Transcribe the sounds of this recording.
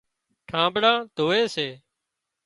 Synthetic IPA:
ʈʰãːbɽãːd̪ʱoːeːseː

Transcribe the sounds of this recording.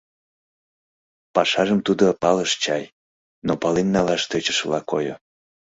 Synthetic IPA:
pɑʃɑʒəmt̪ud̪opɑləʃt͡ɕɑj | nopɑlinːɑlɑʃt̪et͡ɕə̥ʃəlɑko̰jo̰

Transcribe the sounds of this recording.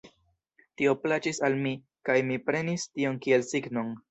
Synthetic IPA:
tio̞plat͡ʃisalmi | kajmipɾe̞nistio̞nkie̞lsiɡno̞n

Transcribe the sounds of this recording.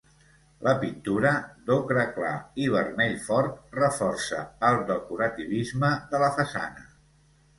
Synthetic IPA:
lʔəpint̪uɾəd̪okɾəkla̰iβ̞ərmɛʎfɔɾt̪̚rəfɔrsə̰əlˠd̪əkuɾət̪iβizməðələfəsa̰nə

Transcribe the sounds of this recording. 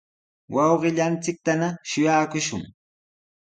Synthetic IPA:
wʔɑwɢɪʎant͡sɪk̚t̪anaʃʊjaːkʊʃʊ̰ŋ

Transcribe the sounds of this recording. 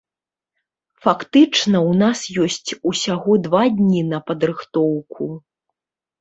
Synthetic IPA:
fakt̪ɨt͡ʂnɐwnasjɔsʲt͡sʲusʲaɣɔd̪vad̪ʲnʲinɐpɐd̪ɾɨxt̪ɔwkʰu

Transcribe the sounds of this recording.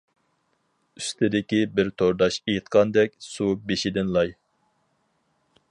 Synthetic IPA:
yst̪ʰɪd̪ɪkʲibɪɾt̪ʰoɾd̪ɑʃejɨt̪̚qʰɑnd̪ɛkʲsubeʃɪd̪ɪnlˠɑj

